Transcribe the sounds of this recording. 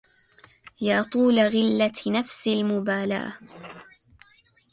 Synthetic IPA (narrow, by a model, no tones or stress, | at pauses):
jaːt̪ˤuːlaɣɪlːanafsɪlmʊbaːla̰ʔa̰